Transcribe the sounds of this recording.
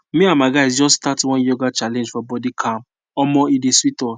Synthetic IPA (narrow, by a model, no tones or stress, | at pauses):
mĩamaɡaɪsd͡ʒɔsstatwɔ̃njɔɡat͡ʃalɛ̃nd͡ʒfɔbɔdikʰãm | ɔmɔ̃ideswitɔ